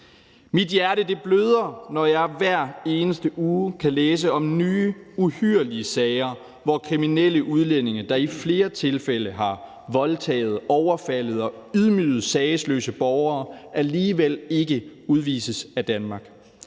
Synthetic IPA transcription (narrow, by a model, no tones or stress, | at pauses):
mid̥jæɐɾəd̥e̝b̥løð̞ˠɐnɒjɑ̈ɪʋæɐ̰e̝ːnəsd̥əʔuːkʰæleːs̬əɒ̽mnyːuhyɐ̰liəsɛɪɐ | ʋɒkʰʁiminel̰əʔuð̞ˠlen̰e̝ŋɐd̥ɑ̈ifle̝ːɐt͡sʰe̝lfel̰əɦɑ̈ | ʋɒ̽lt͡sʰɛ̰ːɪð̞̩ˠɒʊɐfæləð̞̩ˠɒ̽yð̞ˠmyːð̩ˠsɛɪəslø̰ːsəb̥ɒʊɐːʔæliːʋel̰e̝ɡ̥əuð̞ˠʋḭːsəsæd̥ænmɑ̈ːɡ̥